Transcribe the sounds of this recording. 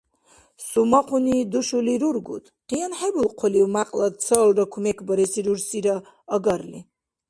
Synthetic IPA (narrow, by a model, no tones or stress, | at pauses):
sumaqʰunid̪uʃuliɾuɾɡṵt̪ʰ | qʼijanħɛbulqʰɔliwmaqʼlad̪̚t͡sʰəːlrakʰumɛkʰbəɾɛsiɾuɾsiɾaː | ɡaɾlḭ